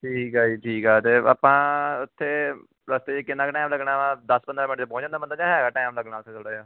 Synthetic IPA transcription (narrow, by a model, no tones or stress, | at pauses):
ʈʰiːkaːiːʈʰiːkɦɛːt̪eːa̰ːpãːʊt̪ʰːeː | ɾaːst̪eːd͡ʒeːkɪnːãːkʈaːmləɡɽaːʋãːd̪əspə̃nd̪ɾaːmɪnəʈt͡ʃepɔ̃ːd͡ʒãːnd̪aːbənd̪ːt͡ʃaːɦɛːɡaːʈaːɪmləɡnaːlt̪ʰeːt̪ʰoːɽaːjaː